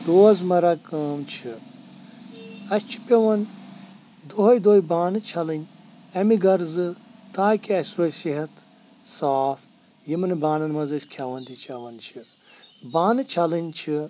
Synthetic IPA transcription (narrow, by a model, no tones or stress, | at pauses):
d̪̥oːzmɐɾɐkɐːmt͡ʃʰi | ɐsʲt͡ʃʰi̥pʲɐʋɐn | d̪oɦɐjd̪oːibaːnɨt͡ʃʰɐlɨnʲ | ɐmiɡɐɾzɨt̪aːkiɐsʲɾojsiɦɐt̪ | saːf | jimɨnɨbaːnɐnmɐzɐsʲkʰɐʋɐnt̪it͡ʃʰɐʋɐnt͡ʃʰi | baːnɨt͡ʃʰɐlɨnʲt͡ʃʰi